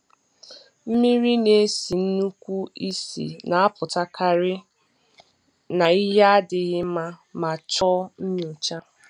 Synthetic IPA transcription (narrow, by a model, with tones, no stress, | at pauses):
m̩˦mi˦ɾi˦ne˨˦si˨n̩˦nu˦kʷu˦i˦sḭ˨na˨a˦pʊ˨ta˦kʰa˦ɾɪ˦ | na˨i˦ɦa˦a˦dɪ˨ɣɪ˦ma˦ma˨t͡ʃɔ˦m̩˦ɲ˦o˨t͡ʃa˦